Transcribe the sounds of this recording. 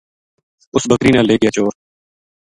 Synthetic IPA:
ʊsbəkɾiːnãːleːɡɪjaːt͡ʃoːɾ

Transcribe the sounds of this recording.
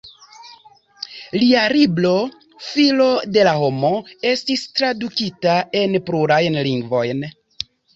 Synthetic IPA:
liaɾiblo̞ | filo̞de̞laɦo̞mo̞e̞stistɾadukitae̞npɾuɾajnliŋɡvo̞jn

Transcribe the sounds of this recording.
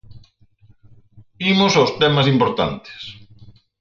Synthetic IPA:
imʊsawst̪ɛmɐsimpoɾt̪a̰nt̪e̥s

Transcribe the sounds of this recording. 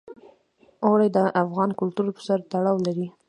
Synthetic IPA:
owɽajd̪əʔafɣɑnkʊlt̪uɾpə̥saɾt̪aɽɑwlaɾi

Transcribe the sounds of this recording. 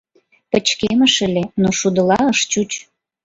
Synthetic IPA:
pə̆t͡ɕkeməʃəlenoʃud̪əlɑəʃt͡ɕut͡ɕ

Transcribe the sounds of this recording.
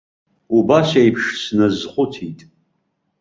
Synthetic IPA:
ubasejpʰʂsnɨzχʷʊtʰitʼ

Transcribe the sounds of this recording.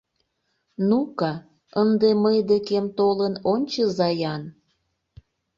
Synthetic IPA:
nukɑ | ənd̪eməjd̪ekemt̪olənonʲt͡ɕəzɑjɑn

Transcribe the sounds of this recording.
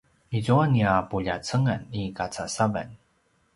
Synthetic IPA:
izuaniapuʎat͡səŋanikat͡sasava̰n

